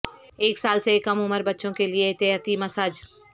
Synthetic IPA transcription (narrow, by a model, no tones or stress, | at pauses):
eːksaːlsekɐmʊməɾbɐtːʃõkelieɪt̪ɪat̪imɐsad͡ʒ